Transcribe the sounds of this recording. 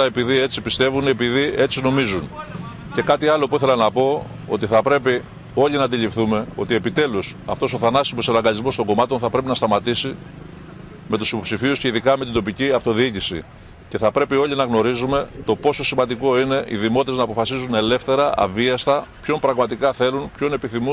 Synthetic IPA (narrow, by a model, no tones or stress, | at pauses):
ɐepiðie̞t͡sipist̪e̞vunepiðie̞t͡sino̞mizun | ce̞kɐt̪iɐlo̞puiθe̞lɐnɐpo̞ | o̞̰t̪iθɐpɾe̞pi | o̞ʎinɐd̪iʎifθume̞o̞t̪ie̞pit̪e̞lusɐ̰ft̪o̞so̞θɐnɐsimoselɐŋɡɐʎizmo̞st̪o̞ŋɡo̞mɐt̪o̞nθɐpɾe̞p̬inɐst̪ɐmɐt̪isi | me̞t̪usipo̞psifiusce̞iðikɐme̞t̪ind̪o̞piciɐft̪o̞ðiicisḭ | ce̞θɐpɾe̞pio̞ʎinɐɣno̞ɾizume̞t̪o̞po̞so̞simɐnd̪iko̞ine̞ḭðimo̞t̪eznɐːpo̞fɐsizune̞le̞fθe̞ɾɐʔɐ̰viɐst̪ɐpço̞mpɾɐɣmɐt̪ikɐθe̞lunpço̞ne̞piθimu